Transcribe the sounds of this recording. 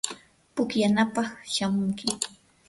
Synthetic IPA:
pʊkjanapɑχʃamʊŋkɪ

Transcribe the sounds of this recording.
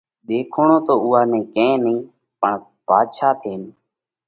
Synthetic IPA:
ɗ̪eːkʰoːɳoːt̪oːuːaːnẽːkẽːnĩː | pəɳ | paːd̪ʃaːt̪ʰeːn

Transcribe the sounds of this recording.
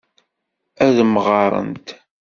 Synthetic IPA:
æðməʁɑɾˤə̰nt̪

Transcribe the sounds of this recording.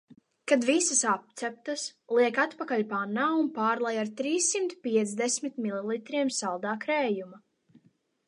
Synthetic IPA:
kad̪visasap̚t̪sɛp̚t̪aslˠiɛkat̪pakaʎpanaunpaːɾlˠajaɾt̪ɾiːsːimt̪pʲiɛt̪sd̪esmit̪mililˠit̪ɾiɛmsalˠd̪aːkɾɛːjuma

